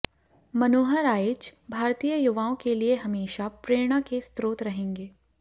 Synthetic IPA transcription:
mɐnoːɦəɾaːɪt͡ʃbʱaːɾt̪ijəjʊʋaːõkelieɦɐmeːʃapɾeːɽ̃akest̪ɾoːt̪ɾɐɦẽːŋɡeː

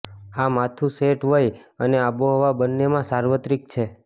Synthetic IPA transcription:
amat̪ʰũseʈʋəjəneaboɦɔʋabənːemãsaɾʋət̪ɾik̚t͡ʃʰe

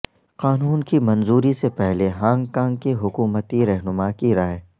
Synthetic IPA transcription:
qaːnuːnkimɐnzuːɾisepɛɦleɦãːŋɡkãːŋɡkeɦʊkuːmət̪iɾɛɦnʊmakiɾaːe

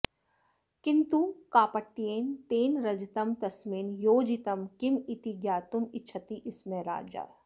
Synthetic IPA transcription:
kɪnt̪ukaːpɐʈːijeːnt̪eːnɾɐd͡ʒit̪ɐmt̪ɐsmiːnjoːd͡ʒit̪ɐmkimit̪iɡjaːt̪umɪt͡ʃʰɐt̪iʔɪsmẽɾa̰ːd͡ʒa̰ː

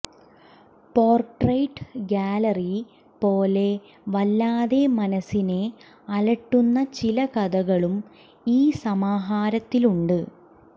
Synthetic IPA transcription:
poːrʈrɐjʈːɡaːlɐri | po̞ːle̞ | ʋɐlːaːðe̞mɐnɐsine̞ | ɐlɐʈːunːɐt͡ɕilɐkɐðɐɣɐɭum | iːsɐmaːɦaːɾɐt̪ːiluɳɖɨ

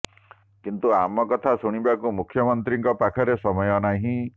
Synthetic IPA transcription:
kint̪uamɔkɔt̪ʰasuɽ̃ibakumukʰːjɔmɔnt̪ɾiŋkɔpakʰɔɾesɔmɔjɔnaɦĩ

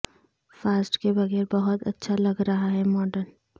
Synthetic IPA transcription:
faːsʈkebɐɣɛːɾbɐɦʊt̪ɐtːʃʰalɐɡɾɐɦaɦɛmɔːɖəɾn

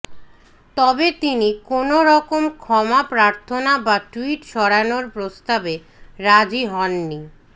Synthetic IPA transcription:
t̪ɔbet̪inikonoɾɔkomkʰɔmapɾaɾt̪ʰonabaʈuiʈʃɔɽanoɾpɾost̪abe | ɾad͡ʑiɦɔnːi

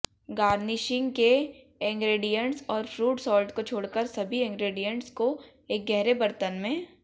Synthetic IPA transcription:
ɡaːɾnɪʃɪ̃ŋɡke | ɛ̃ːŋɡɾeːɖijə̃ɳʈsɔːɾfɾuːʈsɔːlʈkot͡ʃʰoːɽkəɾsɐbʱiɛ̃ːŋɡɾeːɖijə̃ɳʈsko | eːk̚ɡɛɦɾebɐɾt̪ənmẽ

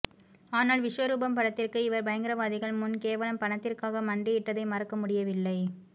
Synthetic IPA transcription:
aːnaːɭʋɪʂʋɐɾuːbɐmpɐɽɐt̪ːɪrkɯɪʋɐɾbɐjɐŋɡɪɾɐʋaːðɪɣɐɭmʊnkeːʋɐlɐmpɐɳɐt̪ːɪrkaːɣɐmɐɳɖɪjɪʈːɐðɐɪmɐɾɐkːɐmʊɽɪjɐʋɪlːɐɪ

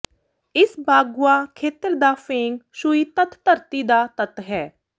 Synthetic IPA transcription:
ɪsbaːɡuaːkʰeːt̪əɾd̪aːpʰeːŋɡʃʊiːt̪ət̪ʰːəɾt̪iːd̪aːt̪ət̪ɦɛː

